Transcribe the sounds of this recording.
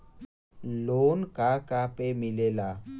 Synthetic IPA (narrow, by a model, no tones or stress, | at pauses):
loːnkaːkaːpeːmɪleːlaː